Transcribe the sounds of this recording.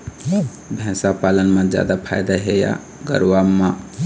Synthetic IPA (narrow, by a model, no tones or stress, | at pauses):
bʱɛ̃ːsapaːlənmãd͡ʒja̰ːd̪apʰa̰ːjd̪aɦeja̰ | ɡə̰ɾʋamã